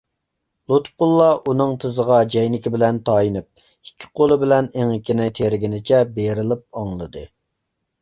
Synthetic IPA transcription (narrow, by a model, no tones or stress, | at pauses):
lˠut̪fqʊlˠːɑʔunɨŋt̪ʰɨzəʁɑd͡ʒɛjnɪkʲibɪlɛnt̪ʰɑːjinɨp̚ | ikʲʰːi̥qʰolˠɨbɪlɛneŋɪkʲʰːinɪt̪ʰeɾɪɡʲinɪt͡ʃʰɛbeɾɪlˠɪp̚ɑŋlˠɨd̪ɨ